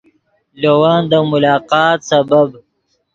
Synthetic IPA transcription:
lowɑːnd̪əmʊlɑːqɑːt̪sabab

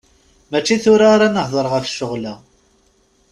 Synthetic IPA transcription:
mæt͡ʃːiθʊɾaɾanəhðˤəɾˤʁəfʃːʊʁlæ

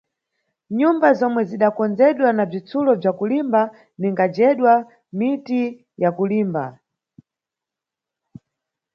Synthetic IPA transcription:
ɲumbazɔmwɛziɗakɔnd͡zɛɗwanab͡ʐit͡sulɔb͡ʐakulimba | niŋɡad͡ʒɛɗwa | miti | jakuliːmba̰

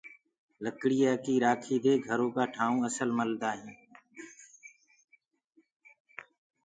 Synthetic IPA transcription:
ləkɽiːaːkiːɾaːkʰiːd̪eːɡʱəɾõːkaːʈʰaːũːəsəlməld̪aːɦĩː

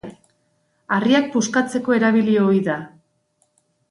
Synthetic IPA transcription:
ariak̚puskat͡se̞ko̞e̞ɾaβ̞ilio̞iða

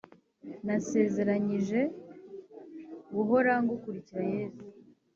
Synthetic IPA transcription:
nase̞ːze̞ɾaɲiʒe̞ | ɡuɦo̞ɾaŋɡukuɾiciɾaje̞ːzu

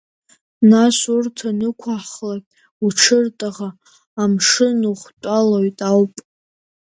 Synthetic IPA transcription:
naʃʷurtʰanɨkʷʰaħχlakʲʼ | uʈ͡ʂʰɨrtʼaʁaː | mʂɨnuχʷtʷʼalojtʼawpʼ

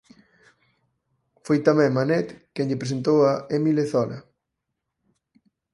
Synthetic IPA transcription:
fojt̪amɛ̃ŋmanɛt̪kɛŋʎɪpɾes̬ent̪owaemileθɔlɐ̰

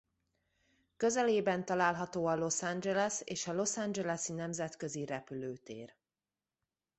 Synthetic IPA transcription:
kø̞zɛleːbɛnt̪ɒlaːlɦɒt̪oːɒlo̞sand͡ʒɛlɛseːʃɒlo̞sand͡ʒɛlɛsinɛmzɛt̪kø̞ziɾɛpyløːt̪ḛːr

